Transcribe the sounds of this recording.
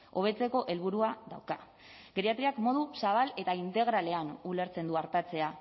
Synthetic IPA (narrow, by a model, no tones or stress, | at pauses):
o̞β̞e̞t͡se̞ko̞ʔe̞lβ̞uɾuaðawka | ɡɾeat̪ɾiakmo̞ð̞usaβ̞ale̞t̪aint̪e̞ɣ̞ɾale̞anule̞ɾt͡se̞nd̪uaɾt̪at͡se̞a